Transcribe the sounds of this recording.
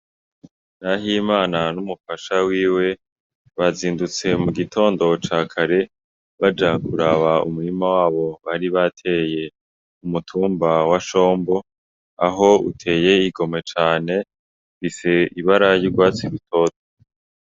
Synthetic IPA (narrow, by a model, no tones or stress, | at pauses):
naɦimaːnanumufaʃawiːwe̞ | βaziːndut͡se̞muɡitʰo̞ːndo̞t͡ʃaːkʰaɾe̞ | βad͡ʒakuɾaβaṵmuɾimawaːβo̞βaɾiβatʰe̞je̞ | umutʰuːmbawaʃo̞ːmbo̞ | aɦo̞ṵtʰe̞ːje̞iɡo̞me̞t͡ʃaːne̞ | βise̞iβaɾajuɡwaːt͡siβitʰo̞ːto